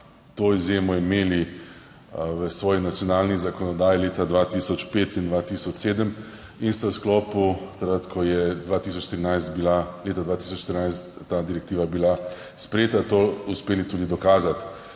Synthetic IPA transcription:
t̪oizjeːmɔimeːli | ʋəsʋɔːjinat̪sjɔnaːlnizakɔnɔd̪aːjileːt̪ad̪ʋat̪isɔt͡ʃpeːt̪ind̪ʋat̪isɔt͡ʃseːd̪əm | inst̪awsklɔːput̪akɾət̪kʰɔjɛd̪ʋaːt̪is̬ɔt͡ʃʃt̪iɾinajst̪bilaleːt̪ad̪ʋaːt̪iːsɔt͡ʃʃt̪əɾinajst̪ːad̪iɾɛkt̪iːʋabila | spɾjeːt̪at̪ouspeːlit̪uːd̪id̪ɔkaːzat̪

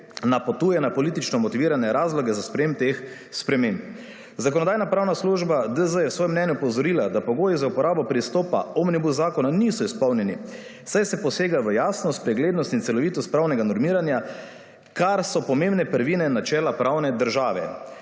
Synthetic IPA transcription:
napɔt̪uːjɛnapɔliːt̪it͡ʃnɔmɔt̪iʋiːɾanɛɾaːzlɔɡɛzaspɾɛjempt̪ex | spɾɛmemp | zakɔnɔd̪aːjnapɾaːwnasluʒbad̪əzəjɛwsʋɔːjɛmnɛnjupɔwzɔɾiːlad̪apɔɡoːjizaupɔɾaːbɔpɾist̪ɔːpa̰ɔmnibuzaːkɔnanisɔispɔwnjɛni | sajsɛpɔseːɡaʋəjaːsnɔst̪̚pɾɛɡleːd̪nɔst̪int̪sɛlɔʋiːt̪ɔst̪pɾawnɛɡanɔɾmiːɾanja | kaɾsɔpɔmẽmbnɛpəɾʋinɛnat͡ʃɛːlapɾawnɛd̪əɾʒaːʋɛ̰

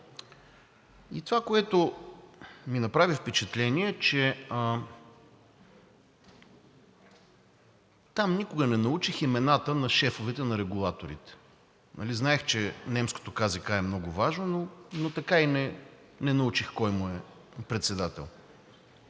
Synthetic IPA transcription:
it̪ovakoɛt̪ʊ | minɐpɾavifpɛt͡ʃɛt̪lɛniɛt͡ʃɛə | t̪amnikʊɡənɛnɐut͡ʃiximɛnat̪ənɐʃɛfovɛt̪ɛnɐɾɛɡulˠat̪oɾḭt̪ɛ̥ | nʔɐ̰liznaɛxt͡ʃɛnɛmsko̥t̪okazikaɛmnɔɡʊvaʒnononot̪ɐkainɛ | nɛnɐut͡ʃixkɔjmʊɛ | pɾɛt̪sɛd̪at̪ɛ̰lˠ

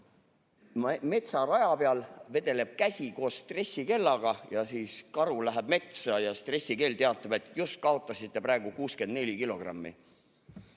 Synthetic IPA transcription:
me̞t̪sɑrɑjɑpeɑlve̞d̪̥e̞le̞b̥̚kæsʲiko̞ːsst̪re̞sʲːike̞lːɑɡ̥ɑjɑsiːskɑɾulæɦeb̥̚me̞t̪sɑjɑst̪re̞sːike̞ːlt̪e̞ɑt̪ːˑɑb̥e̞t̪ːˑjust̪̚kɑo̞t̪ˑːɑsit̪ˑːe̞pɾæeɡ̥ukuːske̞nd̪ne̞lʲikilo̞ɡ̥rɑ̰mːḭ

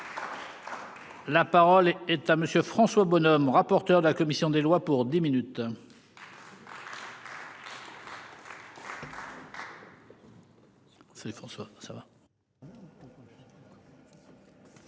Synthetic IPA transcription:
lapaʁɔlɛt̪aməsjøfχɑ̃swabɔnɔmʁapɔʁt̪œʁd̪əlakɔmisjɔ̃d̪elwapuʁd̪iminyt̪ | saifχɑ̃swasava

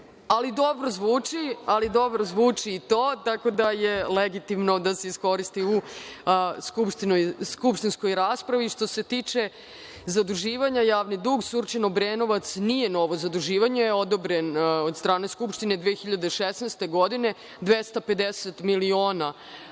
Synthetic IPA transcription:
alid̪o̞bɾozʋuːt͡ʂialid̪o̞bɾozʋuːt͡ʂiːt̪oːt̪ako̞d̪ajeleɡit̪imno̞d̪aseisko̞ɾist̪iu | skupʃt̪inojskupʃt̪insko̞jɾaːspɾaʋiʂt̪o̞se̞t̪iːt͡ʂe̞ | zad̪uʒiːʋaɲajaːʋnid̪uːɡsurt͡ʃenobɾeno̞ʋat̪snije̞no̞ʋo̞zad̪uʒiːʋaɲejeo̞d̪obɾenod̪st̪ɾaːne̞skupʂt̪ine̞d̪ʋeːxiʎad̪eʃesnejst̪eɡo̞d̪ine̞ | d̪ʋest̪ape̞d̪eset̪milio̞ːna

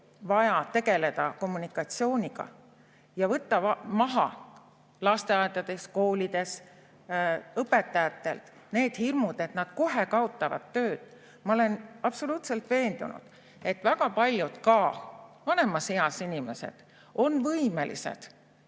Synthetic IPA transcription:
vɑjɑt̪eɡe̞le̞d̪̥ɑko̞mːunikːˑɑt̪sio̞ːnʲiɡ̥ɑ̰ | jɑvɤt̪ːɑmɑɦɑ̰ | lɑst̪e̞ɑːd̪ɑd̪e̞sko̞ːlʲid̪e̞s | ɤpːe̞t̪ːˑɑjɑt̪ːe̞̰lt̪ | ne̞ːd̪̥hirmud̪̥e̞t̪nɑd̪̥ko̞ɦe̞kɑo̞t̪ːˑɑvɑ̰d̪̥t̪ːø̞ːd̪̥ | mɑo̞le̞nɑpso̞luːt̪se̞lt̪ve̞ːnd̪̥ṵnṵd̪̥ | e̞t̪ːˑvæɡ̥ɑpɑlʲjud̪̥kɑvɑne̞mɑsejɑsinʲime̞se̞̰d̪̥ | o̞nvɤime̞lʔḭsḛd̪̥

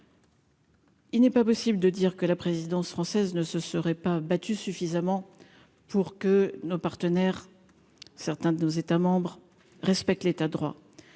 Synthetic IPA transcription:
ilnɛpapɔsibləd̪əd̪iʁkəlapχezid̪ɑ̃sfχɑ̃sɛznəsəsəʁɛpabat̪ysyfizamɑ̃ | puʁkənopaʁt̪ənɛʁ | sɛʁt̪ɛ̃d̪ənozet̪amɑ̃bʁ | ʁɛspɛk̚t̪let̪ad̪ʁwa̰

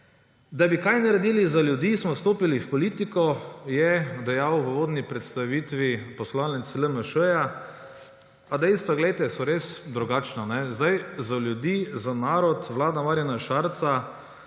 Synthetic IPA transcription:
d̪abikajnɐɾɛd̪iːlizaljʊd̪iːsmɔst̪oːpilifpɔliːt̪ikɔjɛd̪ɛjawʋəʋoːd̪nipɾɛt̪st̪aʋiːt̪ʋipɔslaːnit̪sləməʃəja | ad̪ɛjst̪ʋaɡlɛjt̪ɛsɔɾeːsd̪ɾuɡaːt͡ʃnanɛzd̪ajzaljʊd̪iːzanaːɾɔt̪ʋlaːd̪amaːɾjanaʃaːɾt̪sa

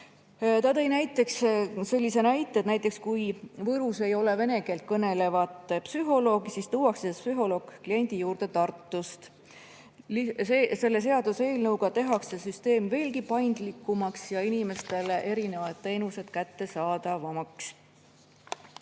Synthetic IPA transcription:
t̪ɑt̪e̞jnæjt̪ːˑe̞ksselʲːisenæjt̪ːˑet̪næjt̪ːˑe̞kskujvɤɾuse̞jo̞le̞ve̞ne̞ɡe̞lt̪̚kɤne̞le̞vɑt̪ˑpsyɦo̞lo̞ːɡisist̪uːwɑksespsyɦo̞lo̞ːkkːlie̞nʲd̪̥ijuːɾd̪̥e̞t̪ɑrt̪ːust̪ | liese̞lːe̞s̬e̞ɑd̪use̞ːlnɤwɡ̥ɑt̪e̞ɦɑksːe̞syst̪e̞ːmve̞ːlɡipɑjnd̪̥likˑːumɑksjɑinime̞st̪e̞leʔe̞ɾine̞vɑd̪̥̚t̪e̞ːnuse̞d̪̥kæt̪ːe̞sɑːd̪ɑvɑmɑks

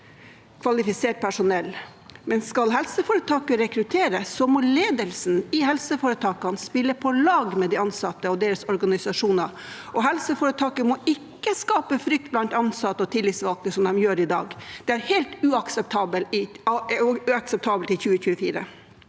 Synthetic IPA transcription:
kʰʋɑlɪfɪseːʈ̚pʰæʂʊnɛl | mɛnskɑlɦɛlsəfoːɾət̪ʰɑːkəɾɛkɾʉt̪ʰeːɾəsɔmɔleːd̪əlsnɪhɛlsəfoːɾət̪ʰɑːkɑnspɪlːəpʰɔlɑːɡmɛd̪ɪɑnsɑt̪ːəɔd̪eːɾəsɔɾɡɑnɪsɑʂuːnɑ | ʔɔɦɛlsəfoːɾət̪ʰɑːkəmɔɪkːəskɑːpəfɾʏk̚t̪̚blɑnt̪ɑnsɑt̪ːəɔt̪ʰɪlːɪt̪sʋɑlk̪nəsɔmd̪ɛmjøːɾɪd̪ɑ̰ːɡd̪̥ɛæɾheːlt̪ʉɑksɛp̚t̪ʰɑːbəlɪ | ʉɑksɛp̚t̪ʰɑːbəlt̪ɪlçʉːəçʉːəfḭːɾə̰

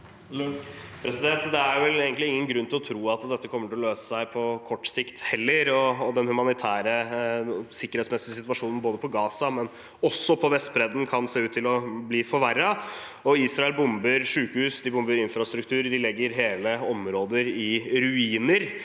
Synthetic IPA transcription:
pʰɾɛsɪd̪ɛnt̪d̪ɛæɾjʋɛleːɡənt̪lɪɪŋːənɡɾʉnt̪ɪlɔt̪ʰɾuːɑt̪d̪ɛt̪ːəkʰɔmːəʈɪlɔløːsə̥sæɪpʰɔkʰɔʈːsɪkt̪hɛlːəɾɔːd̪ɛnhʉmɑnɪt̪ʰæːɾə | sɪkəɾhɛːt̪smɛsɪəsɪt̪ʋɑʂuːnn̩boːd̪əpʰɔɡɑːsɑmɛn | ɔsːɔpʰɔʋɛst̪̚bɾɛd̪n̩kʰɑnseːʉːt̪ʰːɪlɔbliːfɔɾʋæɾːɑ | ɔiːsɾɑɛlbʊmbəɾʂʉːkəhʉːsd̪ɪbʊmbəɾɪnfɾɑst̪ɾʉkt̪ʰʉːɾd̪ɪlɛɡːəɾɦeːləɔmɾoːd̪əɾɪɾʉiːnəɾ

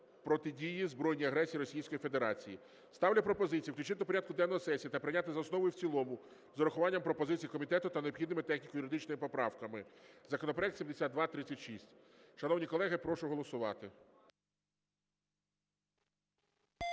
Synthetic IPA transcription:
pɾɔt̪ɪdʲijizbɾɔjnʲijɐɦɾɛsʲijiɾɔsʲijsʲkɔjifed̪eɾɑt͡sʲiji | st̪ɑwlʲɐpɾɔpɔzɪt͡sʲijiwklʲʊt͡ʃɪt̪pɔɾʲad̪kʊd̪ɛnɔɦɔsɛsʲijiɐt̪ɐpɾɪnʲat̪ɪzɐɔsnɔʋɔjʊwt͡sʲilˠɔmʊ | zɔɾɐxʊʋɑnʲːɐmpɾɔpɔzɪt͡sʲijikɔmʲit̪ɛt̪ʊt̪ɐneɔbxʲid̪nɪmɪt̪ɛxnʲikɔjʊɾɪd̪ɪt͡ʃnɔmɪpɔpɾɑwkɐmɪzɐkɔnɔp̬ɾeɐɛk̚t̪sʲmd̪esʲad̪̚d̪ʋɑt̪ɾɪt͡sʲːɐtʲʃisʲtʲ | ʃɐnɔwnʲikɔlˠɛɦɪpɾɔʃʊɦɔlˠɔsʊʋɑt̪ɪ

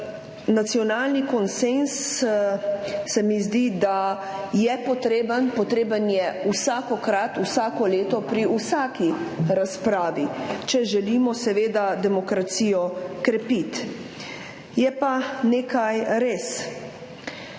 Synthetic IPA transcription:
nat̪sijɔnaːlnikɔnsens | ɛmizd̪id̪a | jɛpɔt̪ɾeːbənpɔt̪ɾeːbənjɛusaːkɔkɾat̪usaːkɔleːt̪ɔpɾiusaːkiɾaspɾaːʋit͡ʃɛʒɛlimɔsɛʋeːd̪ad̪ɛmɔkɾat̪sijɔkɾɛpit̪ | jɛpaneːkajɾeːs

